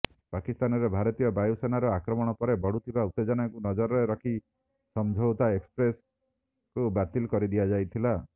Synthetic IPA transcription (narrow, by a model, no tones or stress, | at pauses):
pakist̪anɔɾebʱaɾɔt̪ijɔbajusenaɾɔakɾɔmɔɽ̃ɔpɔɾebɔɽut̪ʰibaut̪ːed͡ʒanakunɔd͡ʒɔɾɔɾeɾɔkʰi | sɔmd͡ʒʱɔwt̪aekspɾes | kubat̪ilkɔɾid̪ijad͡ʒajt̪ʰila